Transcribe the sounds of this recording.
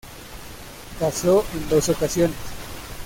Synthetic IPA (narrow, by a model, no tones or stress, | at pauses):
kasoʔe̞nd̪o̞so̞kasjo̞nes